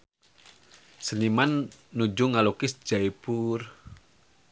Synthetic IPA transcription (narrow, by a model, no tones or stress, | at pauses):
sənimanːud͡ʒuŋalukɪsd͡ʒ̥aipur